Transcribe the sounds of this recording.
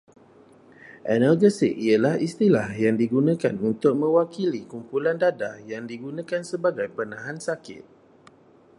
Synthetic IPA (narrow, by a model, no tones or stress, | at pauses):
ʔɛnərɡəsikialahist̪ilahjaŋdiɡunãkanunt̪ʊk̚mə̃wakilikumpulandadajaŋdiɡunãkansəbaɡajpənãɦansakɪ̰t̪̚